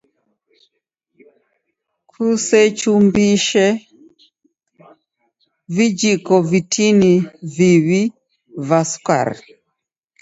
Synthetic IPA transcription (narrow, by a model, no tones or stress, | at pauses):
kʰusɛt͡ʃumbiʃɛ | vid͡ʒikɔvitʰiniviβi | vaska̰ɾ